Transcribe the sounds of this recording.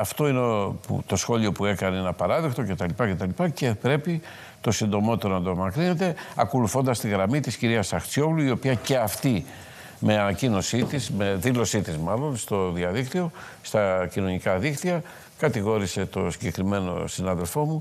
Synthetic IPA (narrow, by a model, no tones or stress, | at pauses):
ɐft̪o̞inepṵt̪o̞sxo̞lio̞pue̞kɐneenɐpɐɾɐðekt̪o̞ce̞t̪ɐlipɐce̞t̪ɐlipɐce̞pɾe̞pi | t̪o̞sind̪o̞mo̞t̪t̪eɾonɐd̪omɐkɾine̞t̪e̞ɐko̞luθo̞nd̪ɐst̪iɣɾɐmit̪isciɾiɐsɐxt͡sjo̞pluio̞piɐce̞ɐft̪i | me̞ɐnɐcino̞sit̪isme̞ðilo̞sit̪izmɐlo̞nst̪o̞ðiɐðikt̪io̞ | st̪ɐcino̞nikɐðikt̪iɐ | kɐt̪iɣo̞ɾise̞t̪o̞siɟe̞kɾime̞no̞̰sinɐðe̞lfo̞mu